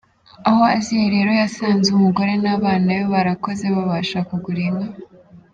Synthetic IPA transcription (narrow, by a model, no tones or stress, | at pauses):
aho̞aziheɾe̞ɾo̞jasaːnzeumuɡo̞ɾe̞naːβaːnajoβaɾako̞ze̞βaβaːʃakuɡuɾiŋɡa